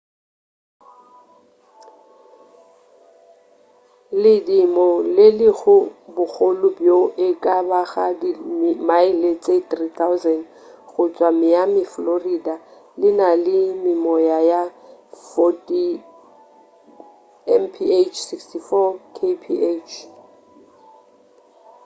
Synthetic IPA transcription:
lɪdimɔlɪlɪɣʊbʊk͡xʰolʊbjoʔɪkʼabaɣadimɪmaɪlet͡sʼetrit̪ʰaʊzɛn | ɣʊt͡sʼwamɪjamɪflorida | lɪnalɪmɪmɔjajafɔtʼi | ɛnpʰiet͡ʃʰsikstifɔkʰepʰiet͡ʃʰ

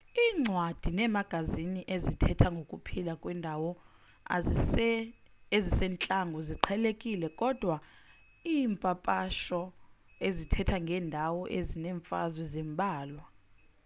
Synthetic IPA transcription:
iːŋ͡ǀʱwad̥ʱinɛmaɡ̥ʱaziniʔezitʰɛtʰaŋɡʱokʼupʰilakʼwɛndʱawɔ | ezisɛːnt͡ɬʼaŋɡʱɔziǃʰɛlekʼilɛkʼɔd̥ʱwa | iːmpʼapʼaʃɔezitʰɛtʰaŋɡʱɛːndʱawɔʔezinɛːɱfa̰zwɛzimbʱaːlwa

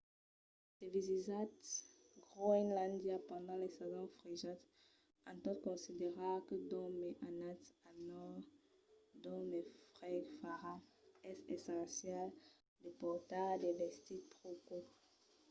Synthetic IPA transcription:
t̪evizizat̪ | ɡʁoɛnlãnd̪japɑ̃d̪ɑ̃lesazɔ̃fʁiʒat̪ | ɑ̃t̪ɔt̪kɔ̃sid̪eʁakəd̪ɔmeʔanatanɔ | d̪ɔmefʁɛɡfaʁãɛsɛsɑ̃sjɛl | depɔʁt̪ad̪evɛst̪itpʁoko

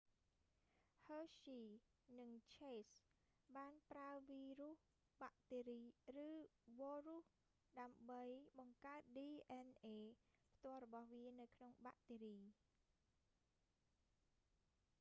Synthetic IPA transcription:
həːsiː | nɨŋt͡ɕʰeːs | ɓaːnpraəʋiːruəh | ɓaʔt̪eːɾiːrɨːʋɔːruh | ɗaəmɓəjɓɑŋkaət̪̚ɗiːʔɛnʔeːpʰt̪ŏəlrɔɓɑhʋiənɨwkʰnoŋɓaʔt̪eːɾiː

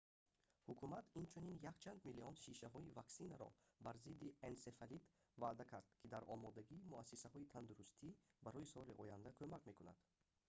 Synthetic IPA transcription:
hukʰumat̪ʰint͡ʃʰuninjakt͡ʃʰand̪miliɔnʃiʃaɦɔivaksinaɾɔ̰baɾzid̪iensefalit̪ | vad̪akʰaɾd̪kʰid̪aɾɔmɔd̪aɡiːmuasːisahɔit̪ʰand̪uɾust̪ʰibaɾɔisɔɾiʔɔjand̪akʰømakme̞kuna̰d̪̥

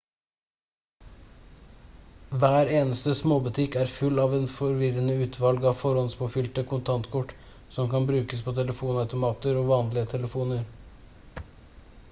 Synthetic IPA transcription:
ʋæːɾeːnəst̪əsmoːbʉt̪ʰɪkæːɾfʉlːɑːʋeːnfɔɾʋɪɾənəʉːt̪ʰʋɑlɡɑːʋfɔɾɔnspoːfʏlt̪əkʰʊnt̪ʰɑnt̪kʰɔʈː | sɔmkɑnbɾʉːkəspʰoːt̪ʰɛləfuːnɑʉt̪ʊmɑːt̪əɾoːʋɑːnlɪət̪ʰɛləfuːnəɾ

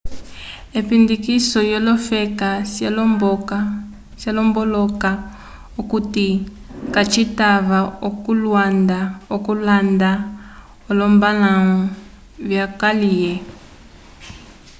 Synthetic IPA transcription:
epindikisɔjɔlɔfɛkaabka | sjalɔmbɔlɔka | okuti | kat͡ʃitaβaokulwandaokulanda | olɔmbalaɔ | βjakalijɛ

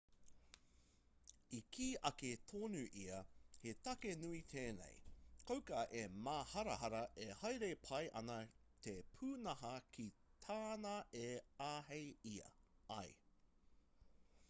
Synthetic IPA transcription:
ikʰiːʔɐket̪ʰoːnuʔiɐhetɐkenuit̪ʰeːnḛjkowkɐʔemaːhɐɾɐhɐɾɐʔehɐjɾepʰɐjʔɐnɐ | t̪ʰepʰʉːnɐhɐkʰit̪ʰaːnɐeaːɦejiɐ̰ɐ̰j

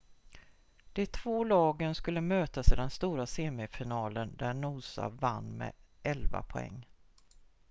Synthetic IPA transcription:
d̪̥ɛt̪ʰv̥oːlɑːɡənskɵlːəmøːt̪ased̪ɛnst̪uːɾaseːmɪfɪnɑːlənd̪æɳuːsa̰vanːmɛ̰ | ʔɛlva̰pʰɔɛ̰ŋː

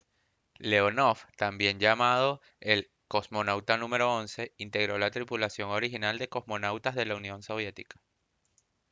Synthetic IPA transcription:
le̞onoft̪ambje̞ɲd͡ʒamað̞o | e̞l | ko̞zmo̞nawt̪anũme̞ɾo̞onse̞int̪e̞ɣɾo̞lat̪ɾipulasjo̞ŋo̞ɾixinald̪e̞ko̞zmo̞nawt̪azðe̞launjõ̞nso̞β̞je̞t̪ikḁ

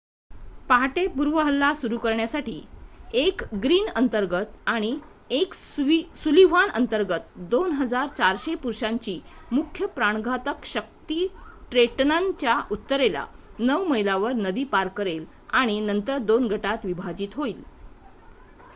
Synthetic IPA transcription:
paɦʈepuɾʋəɦəlːasuɾukəɾɳjasaʈiːekɡɾiːnənt̪əɾɡət̪aɽ̃i | ek | suliʋ̤anənt̪əɾɡət̪d̪onɦəd͡zaɾt͡ɕaɾɕepuɾɕaɲt͡ɕiːmukʰːjəpɾaɳ̃ɡʱat̪əkɕək̚t̪iːʈɾeʈnaɲt͡ɕjaʔut̪ːəɾela̰nəwməjlaʋəɾnəd̪iːpaɾkəɾel | aɽ̃inənt̪əɾd̪onɡʱəʈat̪ʋibʱad͡ʑiːt̪ɦoiːl

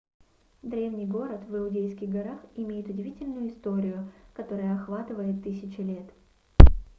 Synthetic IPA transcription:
d̪ɾʲe̞vnʲijɡo̞ɾət̪vɨʊdʲejskʲɪɣɡɐɾaxɪmʲejɪt̪ʊdʲɪvʲitʲɪlʲnʊjʊɪst̪o̞ɾʲɪjʊkɐt̪o̞ɾəjəɐxvat̪ɨvəjɪt̪ːɨsʲɪt͡ɕɪlʲe̞t̪

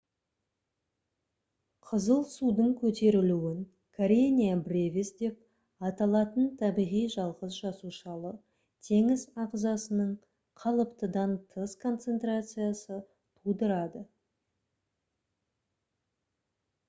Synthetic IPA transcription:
qʰəzəlˠsud̪əɴkʲʰɵt̪e̞ɾɪluwɪŋ | kʰaɾʲenʲijabɾʲevʲɪsd̪e̞p | ɑt̪ɑlˠɑt̪ənt̪ʰɑbiʁijʒɑlˠʁəzʒɑsuʃɑlˠə | t̪ʰe̞ŋɪzɑqzɑsənəɴ | qʰɑlˠəpt̪əd̪ɑnt̪ʰəskʰo̞nt̪se̞nt̪rat̪sɨjasə | t̪ʰud̪əɾɑd̪ə

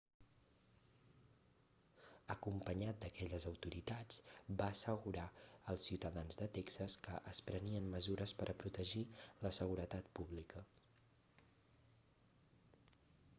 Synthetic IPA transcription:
əkumpəɲat̪̚d̪əkɛʎəzəwt̪uɾit̪ad͡zbaəsəɣuɾaəlˠsiwt̪əðanzðət̪ɛksəskəʔəspɾəniənməzuɾəspəɾʔəpɾut̪əʒiləsəɣ̞uɾət̪at̪puβlikə

